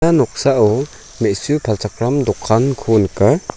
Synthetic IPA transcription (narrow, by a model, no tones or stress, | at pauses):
anɔk̚saʔɔ | mesupʰalt͡ʃakɾamdɔkʰːankʰunkaɾ